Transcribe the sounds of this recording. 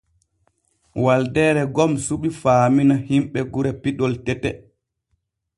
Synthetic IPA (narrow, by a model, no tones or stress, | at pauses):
waldɛːɾɛɡɔmsuɓifaːminahimɓɛɡuɾɛpiɗɔltɛtɛ̰